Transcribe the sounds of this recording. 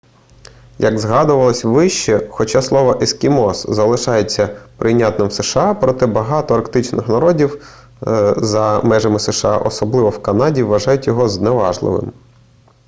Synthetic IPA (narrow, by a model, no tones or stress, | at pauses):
jɐɡzɦɑd̪ʊʋɐlˠɔsʲʋɪʃt͡ʃɛxɔt͡ʃɑslˠɔʋɐʔɪskʲimɔszɐlˠɪʃɑjet͡sʲːɐpɾʔɪjnʲat̪nɪmseʃeɑpɾɔt̪ɪbɐɦɑt̪ɔɐrkt̪ɪt͡ʃnɪxnɐɾɔdʲiw | zɐmɛʒɐmɪseʃeɑ̰ʔɔsɔblˠɪʋɔwkɐnɑdʲiʋːɐʒɑjʊtʲjɔɦɔzneʋɑʒlˠɪ̰ʋɪ̰m